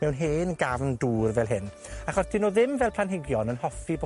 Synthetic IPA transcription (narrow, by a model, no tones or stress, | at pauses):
mɛwnɦeːnɡavnduːrvɛlˠɦɪn | aχɔsd̥ɪnoðɪmvɛlˠpʰlˠanɦɪɡjɔnənhɔfibo